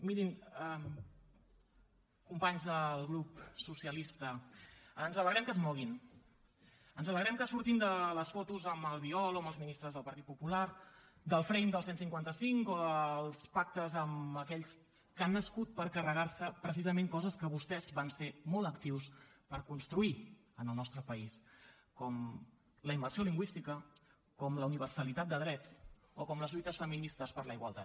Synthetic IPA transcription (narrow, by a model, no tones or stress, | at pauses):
miɾinɛm | kumpaɲzðəlˠɣɾupsusiəlist̪əənzələɣɾɛmkəzmɔɣ̞in | ənzələɣɾɛmkəsuɾt̪ind̪ələsfɔt̪uzəməlˠβiɔlˠoəməlˠzminist̪ɾəzðəlˠpəɾt̪it̪̚pupulaɾ | d̪əlˠfɾɛjnd̪əlˠsensiŋkwant̪əsiŋkoðəlˠspak̚t̪əzəməkɛʎs | kanːəskut̪̚pəɾkərəɣarsəpɾəs̬izəmẽŋkɔzəskəβust̪ɛzβansemɔlˠəkt̪iwspəɾkunst̪ɾui | ənəlˠnɔst̪ɾəpəis | kɔm | ləimbərsioliŋɡwist̪ikə | kɔmləuniβ̞ərsəlit̪at̪̚d̪əðɾɛt͡s | okɔmləzʎut̪əsfəminist̪əspəɾləiɣwə̰lˠt̪a̰t̪̚